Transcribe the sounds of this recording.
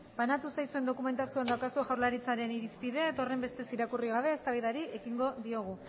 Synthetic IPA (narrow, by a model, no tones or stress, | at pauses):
b̥anat̪usajsue̞nd̪o̞kume̞nt̪asiuand̪awkasuoʝawɾlaɾit͡saɾe̞niɾispiðe̞t̪o̞re̞mbe̞st̪e̞siɾakuriɣ̞aβ̞e̞ːst̪aβijðaɾie̞kiŋɡo̞ðio̞ɣ̞u